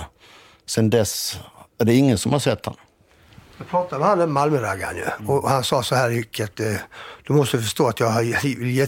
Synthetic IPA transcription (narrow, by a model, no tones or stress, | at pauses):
sɛnd̪ɛsæɖɛɪŋːənsɔmhaɾʂɛt̪ʰːha̰n | d̪ɔpʰɾɑːt̪ad̪ɛhanɛmːalməɾaɡa̰njɵ̰ɔhansɑːsɔhæːɾɪkʰːət̪d̪̥ɵmɔst̪əfœʂt̪oːat̪jɑːɡhavɪljeː